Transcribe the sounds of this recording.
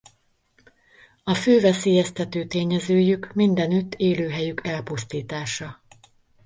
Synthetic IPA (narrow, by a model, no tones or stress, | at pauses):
ɒføːvɛseːjɛst̪ɛt̪øːt̪eːɲɛzøːjykmind̪ɛnyt̪ːeːløːɦɛjykʰɛlpust̪iːt̪aːʃɒ